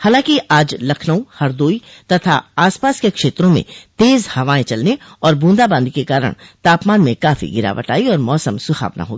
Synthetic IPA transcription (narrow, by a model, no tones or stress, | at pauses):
haːlãːkiaːd͡ʒlɐkʰnəõhɐɾd̪oːit̪ɐt̪ʰaaːspaːskekʃeːt̪ɾõmḛ̃t̪eːzhɐʋaːẽt͡ʃɐlne | ɔːɾbũːnd̪abə̃nd̪ikekaːɾə̰ɽ̃t̪aːpmaːnmẽkaːfḭɡɪɾa̰ːʋə̰ʈaːiɔːɾmɔːsəmsʊxa̰ːʋna̰ɦoːɡiː